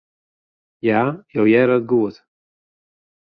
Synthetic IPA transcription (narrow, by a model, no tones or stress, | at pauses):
jajowjɛɾət̚ɡuət